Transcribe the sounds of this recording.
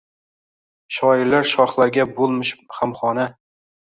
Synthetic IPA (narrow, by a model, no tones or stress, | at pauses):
ʃɒɪɾlaɾʃɒχlˠaɾɡʲabolˠmɪʃχamχɒna